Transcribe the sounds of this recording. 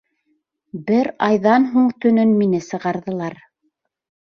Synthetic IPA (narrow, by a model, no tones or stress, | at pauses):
bɘɾɑjðɑnɦuɴt̪ɵ̆nɵnminɘsɤ̆ʁɑɾðɤ̆lˠɑɾ